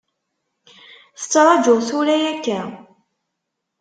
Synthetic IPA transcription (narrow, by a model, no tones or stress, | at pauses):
θə̥t͡sːɾˤɑd͡ʒʊʁθuɾæjækːæ